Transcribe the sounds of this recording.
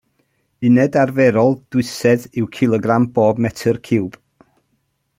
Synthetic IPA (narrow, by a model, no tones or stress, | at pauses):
ɪnɛdarvɛɾɔlˠd̥wʊsɛdɪwkʰɪlˠɔɡramboːbmɛtʰərkʰɪwb̥